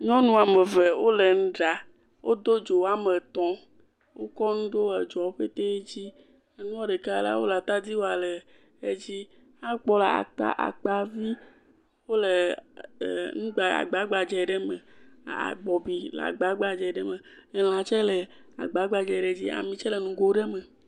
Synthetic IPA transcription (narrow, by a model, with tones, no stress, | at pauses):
ɲɔ̃˦nũ˦a˨me˨ve˨wo˦le˨ŋ̩̃˦ɖa˨ | wʔo˦d̪o˦d͡ʒo˨a˨me˨t̪ɔ̃˨ | wo˦kɔ˦nũ˦ɖo˦ɛ˨d͡ʒɔ˨˦ɸe˦t̪e˦e˦d͡ʑi˦ | e˦nũ˦ɔ˦ɖe˨ka˦la̰˦wo˦la˨t̪a˦d̪i˦wo˦a˨le˨ | e˦d͡ʑi˦ | a˦k͡pɔ˦le˨a̰˨k͡pa̰˦ʔa̰˨k͡pa˨vi˦ | wo˦le˨ | ŋũ˦ɡ͡ba˨a̰˨ɡ͡ba˨˦ɡ͡ba˨d͡ʒɛ˨ɖe˦mḛ̃˨a̰˨ɡ͡bɔ˨bi˨l̰a̰˨ɡ͡ba˨˦ɡ͡ba˨d͡ʒɛ˨ɖe˦mẽ˨e˨l̃ã˨t͡ʃɛ˦le˨ | a̰˨ɡ͡ba˨˦ɡ͡ba˨d͡ʒɛ˨ɖe˦d͡ʑi˦a̰˨mĩ˨t͡ʃɛ˦le˨nũ˨ɡo˦ɖe˦me˨